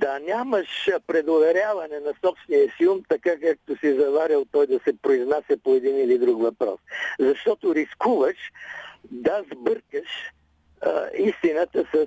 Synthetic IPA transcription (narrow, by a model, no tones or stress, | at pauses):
d̪anʲaməʃpɾɛd̪ovɛɾjavɐnɛnɐsɔpsnijəsiumt̪ɐkakak̚t̪ʊsizɐvaɾʲəlˠt̪ɔjd̪ɐsɛpɾoiznasɛpoɛd̪inilid̪ɾukvɐpɾɔ̰szɐʃt̪ɔt̪ʊɾiskuvəʃ | d̪ɐazbəɾkəʃ | ist̪inət̪əsɐ